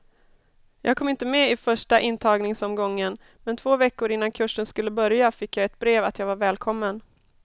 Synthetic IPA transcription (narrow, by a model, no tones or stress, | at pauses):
jʔɑːɡkʰɔmːɪnt̪əmɛɪfœʂʈaʔɪnːt̪ʰɑːɡnɪŋsɔmɡɔŋːən | mɛnt̪ʰv̥oːvɛkːʊɾɪnːankʰɵʂːənskɵlːəbœɾjafɪkːjɑɡɛt̪̚bɾeːvat̪jɑːɡvaɾvɛːlkʰɔmːən